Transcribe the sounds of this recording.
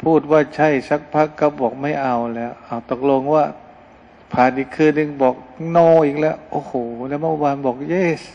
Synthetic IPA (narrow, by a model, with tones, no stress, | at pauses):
pʰuː˥˩t̪̚waː˧˥˩t͡ɕʰa˥˩jsa˦˥k̚pʰa˦˥kːa˧˦˥p̚bɔː˨˩k̚ma˥˩jʔa˧˩wlɛː˦˥˩wʔa˧˩wt̪o˨˩k̚lo˧ŋwaː˧˥˩ | pʰaː˨˩nʔiː˨˩kʰːɯː˧nːɯ˧ŋbɔː˨˩k̚nɔː˧˩ʔiː˨˩k̚lɛ˦˥wʔoː˧˩hoː˨˩lɛː˧˦˥ma˧˩˧waː˧nbɔː˨˩k̚jeː˧˥˩s